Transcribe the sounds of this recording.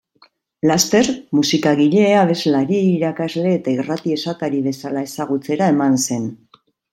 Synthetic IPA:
last̪e̞ɾmusikaɣ̞iʎe̞aβ̞e̞zlaɾiːɾakazle̞ːt̪airat̪ie̞sat̪aɾiβ̞e̞salae̞saɣ̞ut͡se̞ɾae̞manse̞n

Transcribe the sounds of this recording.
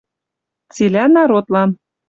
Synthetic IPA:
t͡silʲænɑɾot̪lɑn

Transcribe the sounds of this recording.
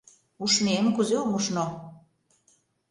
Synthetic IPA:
uʃnemkuzeomuʃno

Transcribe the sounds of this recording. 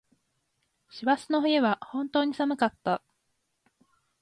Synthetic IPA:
ɕiβasɨno̞ɦɯeβahõ̞nt̪o̞ːɲ̟isamɯ̟kat̪ːa

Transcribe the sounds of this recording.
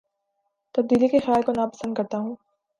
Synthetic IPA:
t̪ɐb̚d̪iːlikexɪjaːlkonapɐ̥sə̃nd̪̚kɐɾt̪aɦũː

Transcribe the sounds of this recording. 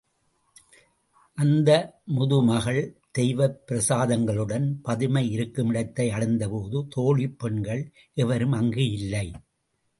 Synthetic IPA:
ʔɐnd̪ɐmʊðɯmɐɣɐɭd̪̥ɛjʋɐpːɪɾɐsaːðɐŋɡɐɭɯɽɐnpɐðɯmɐɪɪɾɯkːɯmɪɽɐt̪ːɐɪɐɽɐɪnd̪ɐpoːðɯt̪oːɭipːɛɳɡɐɭ | ʔɛʋɐɾɯmɐŋɡɯjɪlːɐɪ

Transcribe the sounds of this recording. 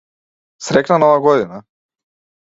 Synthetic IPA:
sɾɛknanɔvaɡɔd̪ina

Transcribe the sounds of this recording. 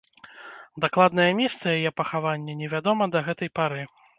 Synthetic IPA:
d̪aklˠad̪nɐjɐmʲɛst̪sɐjajɛpɐxavanʲːɛnʲɛvʲad̪ɔmɐd̪ɐɣɛt̪ɐjpaɾɨ

